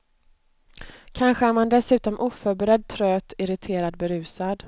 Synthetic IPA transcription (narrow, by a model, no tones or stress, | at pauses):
kʰanɧəæɾmand̪ɛsʉ̟ːt̪ɔmʔuːfœːɾbɛɾɛd̪̚t̪ʰɾøːt̪ɪɾɪt̪ʰeːɾad̪bɛɾʉ̟ːsad̪